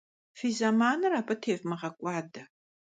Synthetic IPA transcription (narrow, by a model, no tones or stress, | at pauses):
fiːzɐmaːnɨraːpʼɐtʰeːvmɐʁɐkʷʼɑːdɐ